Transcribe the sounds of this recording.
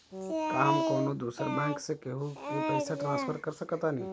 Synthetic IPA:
kamkoːnod̪uːsəɾbɛ̃ːŋksekeɦukepəɪsaʈɾãːspʰəɾkəɾsəkət̪ani

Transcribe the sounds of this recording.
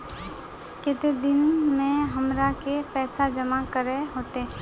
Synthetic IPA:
kɪt̪ed̪ɪnmẽɦɐmɾakepɛːsad͡ʒəmakəɾeɦoːt̪e

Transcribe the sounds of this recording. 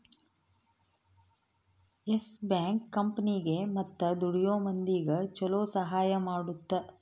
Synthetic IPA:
esbjaːŋkːɐmpɐniɡe̞mɐt̪ːɐd̪uɽijoːmɐnd̪iɡɐt͡ʃɔloːsɐɦaːjɐmaːɽut̪ːɐ

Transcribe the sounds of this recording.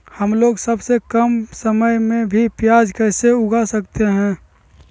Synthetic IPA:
həmloːɡsəbsekəmsəməjmẽbʱipjad͡ʒkɛɦseʊɡasəkt̪eɦɛ̃ː

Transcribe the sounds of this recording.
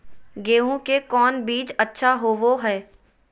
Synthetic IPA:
ɡeːũkekɔːnbiːt͡ʃɐtːʃʰaɦoːʋoɦɛː

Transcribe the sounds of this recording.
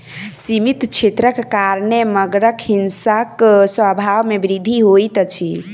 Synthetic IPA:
simit̪t͡ʃʰet̪ɾəkːaɾneməɡɾəkɦinsaksəbʱawmebɾid̪ʱiɦojt̪t͡ʃʰi

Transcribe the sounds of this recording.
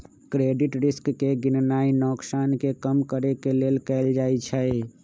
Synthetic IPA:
kɾeɖiʈɾiskːeɡinnainɔksankekəmkəɾekelelkɛɪld͡ʒajt͡ʃʰəj

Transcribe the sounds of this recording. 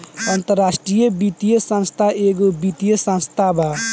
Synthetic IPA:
ənt̪əɾasʈɾijəbit̪ijəsə̃nst̪ʰaʔeɡobit̪ijəsə̃nst̪ʰabʱa

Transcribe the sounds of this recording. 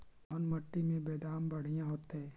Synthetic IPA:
ɔːnmɐʈːimẽbeːd̪aːmbɐɽ̤ijãɦoːt̪ɦɛ̃ː

